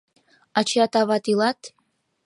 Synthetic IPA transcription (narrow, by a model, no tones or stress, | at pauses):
at͡ʃʰiatʰʼavatʰʼilatʰ